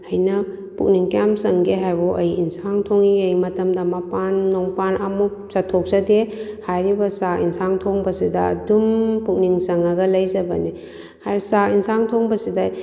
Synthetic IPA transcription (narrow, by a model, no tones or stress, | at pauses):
ɐjnɐ | puk̚niŋkjamsɐŋɡeɦajbuʔɐjinsaŋtʰoŋiɡjmɐtɐmdɐmapanːoŋpanɐmu | sɐtʰːok̚sɐdehajɾibɐsainsaŋtʰoŋbɐsidɐɐ̰dumpuk̚niŋsɐŋɐɡɐlɐjzɐbɐ̰ni | hajɾsainsaŋtʰoŋbɐsidɐ